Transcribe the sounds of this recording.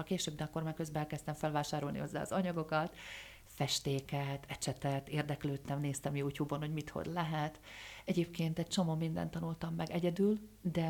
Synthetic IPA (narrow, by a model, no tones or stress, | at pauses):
ɒkeːʃøːbd̪ɛɒkːo̞rmaːrkø̞zbɛɛlkɛst̪ɛɱfɛlvaːʃaːɾo̞lnḭho̞zːa̰ːɒ̰zɒɲɒɡo̞kɒt̪ | fɛʃt̪eːkɛt̪ʰɛt͡ʃɛt̪ɛt̪eːrd̪ɛkløːt̪ːɛmneːst̪ɛmjuːcuːbonho̞ɟmit̪ho̰d̪lɛɦɛt̪ɛɟeːpkeːnt̪ɛt͡ʃo̞moːmind̪ɛ̰nt̪ːɒnult̪ɒmːɛɡɛɟɛd̪yld̪ɛ